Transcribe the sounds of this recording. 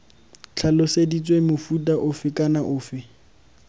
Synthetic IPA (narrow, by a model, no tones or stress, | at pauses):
t͡ɬʰalʊsedit͡sʼwemʊfutʼaʔʊfɪkʼanaʔʊːfɪ